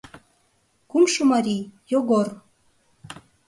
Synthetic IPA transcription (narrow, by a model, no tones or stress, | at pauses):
kumʃumɑɾijoɡor